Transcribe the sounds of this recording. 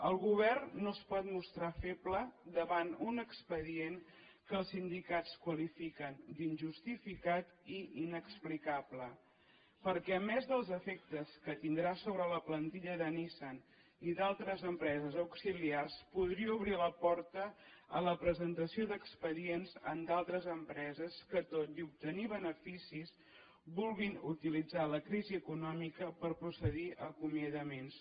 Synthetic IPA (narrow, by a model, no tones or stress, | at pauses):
əlˠɣuβ̞ɛrnnːospɔt̪must̪ɾafepləd̪əβanunəkspəðien | kəːlˠsind̪ikat͡skwəlifikənd̪inʲʒust̪ifikat̪iinəksplikablə | pəɾkɛəmɛzðəlˠzəfɛk̚t̪əskət̪ind̪ɾasoβɾələplənt̪iʎəðənisan | iðalˠt̪ɾəzəmpɾɛzəzəwksiliarspuðɾiəuβɾiləpɔɾt̪əələpɾəzənt̪əsioðəkspəðienzə̰nd̪alˠt̪ɾəzəmpɾɛzəskət̪oziup̚t̪əniβənəfisis | βulˠɣinut̪ilid͡zaləkɾiziəkunɔmikəpəɾpɾusəðiʔəkumjəðəmens